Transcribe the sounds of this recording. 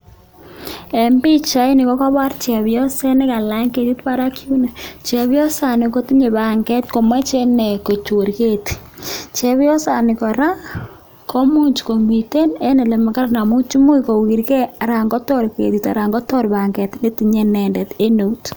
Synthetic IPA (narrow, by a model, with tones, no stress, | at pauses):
ɛ˨mbi˦t͡ʃa˦jnɪ˨kɔ˦ka˦βa˦ɾt͡ʃɛ˨βjɔ˦sɛ˦nɪ˦ka˨la˦ŋke˨ti˦tpa˦ɾa˦kʰju˦na˨t͡ʃɛ˨βjɔ˦sa˨nɪ˨ko˦ti˦ɲe˨ba˨ŋɡɛ˦tko˨ma˦t͡ʃɛ˦nɛ˨ko˨t͡ʃo˨ɾke˦˨ti̥˨ | t͡ʃɛ˦βjɔ˦sa˨nɪ˨kɔ˨ɾa˦ | kʰo˦mu˦ɲt͡ʃko˨mi˨te˦nɛ˦ne˨le˨ma˨ka˦ɾna˨mu˦t͡ʃu˦mu˦iko˨ki˨ɾkɛ˦a˨ɾa˨ŋɡɔ˦tɔ˦ɾkḛ˨ti˨ta̰˨ɾa˨ŋɡɔ˦tɔ˦ɾba˨ŋɡɛ˨tni˦ti˨ɲɛ˦nɛ˨ndɛ˨te˦no˨u˦t